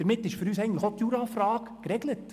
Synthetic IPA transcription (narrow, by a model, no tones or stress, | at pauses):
əɾmɪtːɪʃfɵɾyːsɛɪɡəntləχotjuːɾɑfɾɑːkkɾɛɡlət